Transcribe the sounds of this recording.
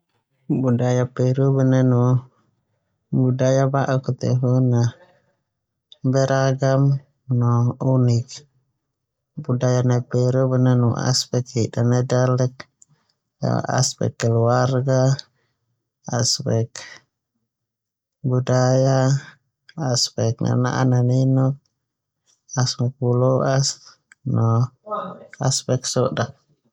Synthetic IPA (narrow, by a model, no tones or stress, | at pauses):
budajapeɾubənənu | budajabaʔukət̪ɛ̰ɦuna | bɛɾaɡam | nɔunik | budajanapeɾubənənṵʔa̰spɛkidanədalək̚ | a̰spɛ̰kːəluarɡa | aspɛk | budajaː | spɛk̚na̰na̰ʔananinɔk̚ | asmapuloʔas | nɔ | aspɛksɔʔdak̚